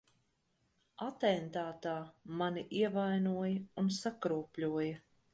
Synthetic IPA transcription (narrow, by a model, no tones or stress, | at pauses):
at̪ɛnt̪aːt̪aːmaniʔiɛvajnuɔjɐunsakɾuɔpʲlʲuɔjɐ